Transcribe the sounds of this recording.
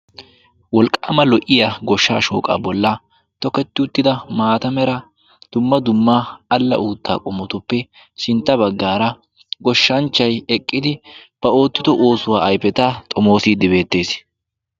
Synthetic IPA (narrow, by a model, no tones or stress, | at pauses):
wɔlkʼːamɐlɔʔɪjɐɡɔʃːa̰ːʃo̞̰ːkʼa̰ːbɔlːɐ | t̪ɔkɛt̪ːɪʊt̪ːɪd̪ɐmaːt̪ɐmɛɾɐ | d̪̥ʊmːɐd̪ʊmːaːɐlːɐ̰ʔuːt̪ːa̰ːkʼɔmːɔt̪ʊpːɛ | sɪnt̪ːɐbɐɡːaːɾɐ | ɡɔʃːɐnt͡ʃːɐjɛkʼːɪd̪ɪb̥ɐo̞ːt̪ːɪd̪ɔʔoːsʊwaːʔɐjpɛt̪ɐt̪ʼɔmo̞ːsiːd̪ɪbe̞ːt̪ːe̞ːs